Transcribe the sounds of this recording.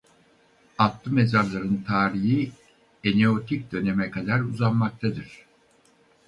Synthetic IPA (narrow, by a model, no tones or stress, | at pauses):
at̪lˠɯme̞zaɾlˠaɾɯnt̪ʰaːɾiji | eneot̪ʰic̚d̪ø̞ne̞mɛkʰad̪aɾuzanmak̚t̪ʰad̪ɯɾ̥